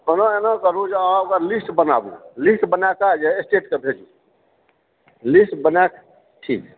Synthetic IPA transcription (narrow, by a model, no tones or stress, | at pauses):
ənaenakəɾũd͡ʒeãokəɾlisʈbənabũlisʈbənakad͡ʒeesʈeʈkebʱed͡ʒu | lisʈbənek̚ | ʈʰḭk